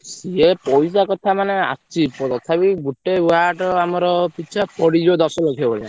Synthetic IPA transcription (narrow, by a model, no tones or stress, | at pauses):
siepɔjs̬akɔt̪ʰamanea̰st͡ʃipɔt̪ɔt̪ʰabiɡuʈewaʈɔamɔɾɔpit͡ʃʰapɔɽid͡ʒiɔd̪ɔsɔlokʰebɔla